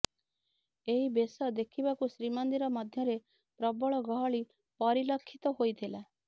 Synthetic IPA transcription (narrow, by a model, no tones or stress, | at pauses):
eɦibesɔd̪ekʰibakusɾimɔnd̪iɾɔmɔd̪ʱjɔɾe | pɾɔbɔɭɔɡɔɦɔɭi | pɔɾilɔkʰːit̪ɔɦojt̪ʰila